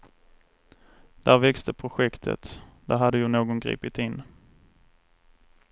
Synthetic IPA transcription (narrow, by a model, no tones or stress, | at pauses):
d̪̥æɾvɛkst̪ʰəpʰɾʊɧɛkt̪ʰə̰t̪d̪̥æɦad̪ːəjʊnoːɡɔnɡɾḭːpɪt̪ɪnː